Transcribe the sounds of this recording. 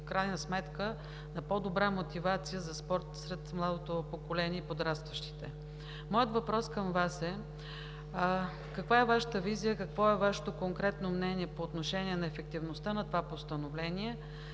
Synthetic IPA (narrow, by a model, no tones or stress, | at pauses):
fkɾajnəsmɛt̪kə | nɐpɔd̪obɾamot̪ivat̪sijəzɐspɔɾt̪sɾɛt̪mlˠad̪ot̪opokolɛniɛipod̪ɾast̪vəʃt̪i̥t̪ɛ | mɔjət̪vɐpɾɔskəmvasɛ | kɐkvaɛvaʃə̥t̪əvizijəkɐkvɔɛvaʃɛ̥t̪okoŋkɾɛt̪nomnɛniɛpoːt̪noʃɛniɛnɐɛfɛk̚t̪ivnost̪ənɐt̪ovapost̪ənovlɛniɛ